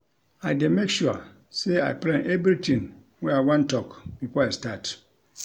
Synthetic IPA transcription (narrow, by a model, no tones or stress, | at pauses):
aɪdemekʃua̰ | sea̰ɪplɛ̃nʔɛbɾitʰĩn | wɛawãntʰɔkb̥ifɔastat